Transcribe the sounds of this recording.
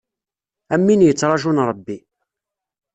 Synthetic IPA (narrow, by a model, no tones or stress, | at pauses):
æmːinjət͡sːɾˤɑʒunɾˤəbːi